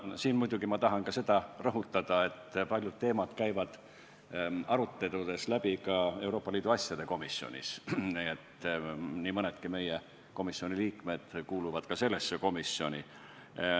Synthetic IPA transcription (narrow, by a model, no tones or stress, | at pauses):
siːnmujd̪̥uɡimɑt̪ɑɦɑnkɑse̞d̪̥ɑrɤɦut̪ːˑɑd̪̥ɑe̞t̪ːpɑlʲjud̪̥̚t̪ːe̞ːmɑd̪̥kæjvɑd̪̥ | ɑɾut̪ːˑe̞t̪ud̪̥e̞slæb̥ikɑe̞uwɾo̞ːpːˑɑliːd̪uɑsjɑd̪̥e̞ko̞misjio̰nʲḭsniet̪niːmɤned̪̥kime̞je | ko̞misːio̞niliːkme̞d̪̥kuːluvɑd̪̥kɑse̞lːesːeko̞misːio̞nʲi